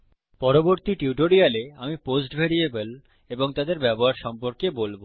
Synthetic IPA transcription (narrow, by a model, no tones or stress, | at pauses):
pɔɾoboɾt̪iʈuwʈoɾialeamiposʈbʱeɾiebel | eboŋt̪ad̪eɾbɛboɦaɾʃɔmpoɾkebolbo